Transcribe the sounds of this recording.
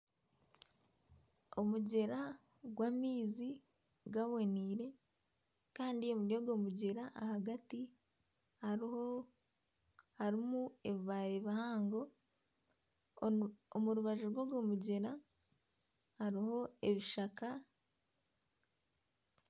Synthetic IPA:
o̞muɟe̞ɾa | ɡwaːmiːzi | ɡaβoniːɾe̞ | kaːndio̞muɾjoɡo̞ːmuɟe̞ɾaʔahaɡati | ha | haɾimueβiβaɾeβahaːŋɡo̞ | omuɾuβaʒoɾɡwoɾɡomuɟe̞ɾa | haɾiho̞e̞βiʃaka

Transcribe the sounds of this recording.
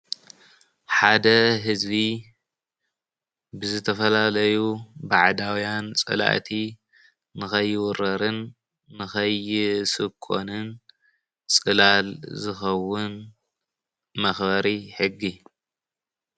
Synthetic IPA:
ħad̪ɐɦɨzbi | bɨzɨt̪ʰɐfɐlalɐjubaʕd̪awijant͡sʼɨ̰la̰ʔt̪ʰi | nɨxɐjːɪwʊɾɐɾɨnː | ɨxɐjɪsɨkʰo̰nɨn | t͡sʼɨlalzɨxɐwːʊn | mɐxbɐɾiħɨɡːi

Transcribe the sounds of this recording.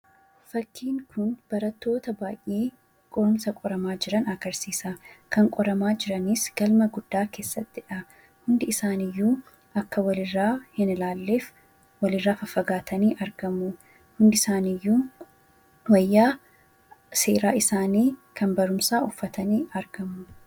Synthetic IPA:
fɐkːiːŋkʰʊnb̥ɐɾɐt̪ːo̞ːt̪ɐbaːjʔeː | kʼɔɾʊmsɐkʼɔɾɐmaːd͡ʒɪɾɐnɐɡɐɾsiːsakɐŋkʼɔɾɐmaːd͡ʒɪɾɐnisɡ̥ɐlmɐɡʊd̪̥ːaːke̞ːsːɐt̪ːɪᶑɐ | hʊnd̪ɪɪsaːnɪjːuː | ʔɐkːɐwɐlɪrːaːhɪnɪlaːlːeːf | wɐlɪrːaːfɐfɐɡaːt̪ʰɐniːʔɐɾɡɐmʊ | hʊnd̪ɪsaːnɪjːuː | wɐjːaː | se̞̰ːɾaːɪsaːniːkʰɐnbɐɾʊmsaːʔʊfːɐt̪ɐniːɐɾɡ̥ɐmːʊ

